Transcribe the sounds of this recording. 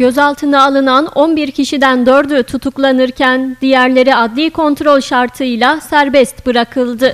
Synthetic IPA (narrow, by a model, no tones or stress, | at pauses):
ɟ̥ø̞zalˠt̪ʰɯnaːlˠɯnano̞nbiɾcʰiʃid̪ænd̪ø̞ɾd̪yt̪ʰut̪ʰuklˠanɯɾcʰænd̪ijæɾlʲe̞ɾiad̪lʲiːkʰo̞nt̪ɾo̞lʲʃaɾt̪ʰɯjlˠasæɾbɛst̪bɯɾakʰɯlˠd̪ɯ